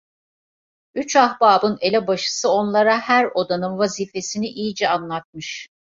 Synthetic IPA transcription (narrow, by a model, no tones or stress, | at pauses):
yt͡ʃahbaːbɯne̞lʲɛbaʃɯ̥sɯo̞nlˠaɾahæɾo̞d̪anɯnvaziːfe̞siniʔijid͡ʒɛanlˠat̪̚mɯʃ